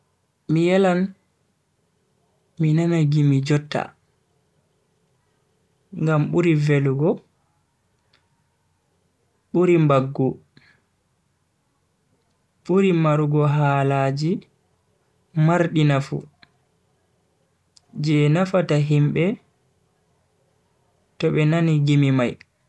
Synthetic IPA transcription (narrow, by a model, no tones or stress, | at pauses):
mijɛlan | minanaɡimid͡ʒɔtːa̰ | ŋɡamɓuɾiveluɡɔ | ɓuɾimbaɡːu | ɓuɾimaɾuɡɔɦaːlaːd͡ʒi | maɾɗinafṵ | d͡ʒɛnafataɦimɓɛ | tɔɓɛnaniɡimimaj